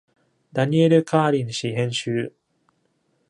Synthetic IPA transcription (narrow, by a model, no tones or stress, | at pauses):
d̪aɲʲieɾɯ̟kʰaːɾʲĩɰɕiɦẽ̞ɰ̃ɕɨː